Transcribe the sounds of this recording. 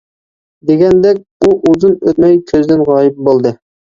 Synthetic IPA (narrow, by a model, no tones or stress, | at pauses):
d̪eɡʲɛnd̪ɛkʲuʔuzunøt̪mɛjkʲʰøzd̪ɪnʁɑːjɪp̚bolˠd̪ɨ